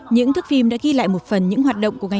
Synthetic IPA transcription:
ɲɨ̰˧˥ŋt̪ʰɨ˦˥k̚fi˧mɗa̰ː˧˥ɣi˧la̰ː˧˨jmo˨˩t̚fə˨˩nɲɨ̰˧˥ŋhɦaː˨˩t̚ɗə̰˧˨wŋ͡mku˧˩əŋa˨˩

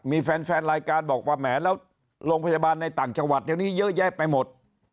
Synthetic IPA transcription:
miː˧fɛː˧nfɛː˧nɾaː˧jkaː˧nbɔː˨˩k̚waː˧˩mɛː˩˦lɛː˦˥w | lo˧pʰa˧jaː˧baː˧nːa˧jt̪aː˨˩ŋt͡ɕa˧ŋwa˨˩t̪̚ɗi˧˩niː˦˥jɤː˦˥ʔ̚jɛː˥˩k̚pa˧jmo˨˩t̪̚

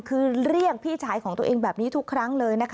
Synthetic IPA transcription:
kʰɯː˧ɾi˥˩ək̚pʰiː˥˩t͡ɕʰaː˩˦jkʰɔː˩˦ŋt̪u˧əʔeː˧ŋbɛː˨˩p̚niː˦˥t̪ʰu˦˥kʰːɾa˦˥ŋlɤː˧jna˦˥kʰ

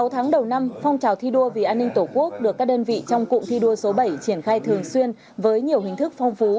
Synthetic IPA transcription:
sa˨˦wt̪ʰaː˨˦ŋɗə˨˩wna˧mfɔ˧wŋ͡mt͡ɕaː˨˩wt̪ʰi˧ɗu˧əvi˨˩ʔaː˧nːï˧ŋ̟t̪o˧˩ku˦˥ək̚ɗɨ˨˩əkːaː˦˥k̚ɗəː˧nvḭ˧˨t͡ɕɔ˧wŋ͡mkʊ̰˧˨ŋ͡mt̪ʰi˧ɗu˧əso˨˦ɓə˧˩jt͡ɕi˧˩ənxaː˧jt̪ʰɨ˨˩əŋswi˧ən | vəː˨˦jɲi˨˩əwhï˨˩ŋ̟t̪ʰɨ˦˥k̚fɔ˧wŋ͡mfu˨˦

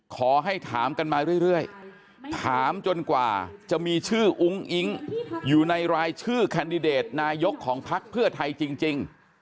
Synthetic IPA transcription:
kʰɔː˩˦ɦa˥˩jt̪ʰaː˩˦mka˧nmaː˧ɾɯ˥˩əjɾɯ˥˩əj | t̪ʰaː˩˦mt͡ɕo˧nkwa̰ː˨˩t͡ɕa˨˩miː˧t͡ɕʰɯː˥˩ʔu˦˥ŋʔi˦˥ŋjuː˨˩na˧jɾaː˧jt͡ɕʰɯː˥˩kʰaː˧ndi˧deː˨˩t̪̚naː˧jo˦˥kʰːɔː˩˦ŋpʰa˦˥k̚pʰɯ˥˩ɐt̪ʰa˧jt͡ɕi˧ŋt͡ɕi˧ŋ

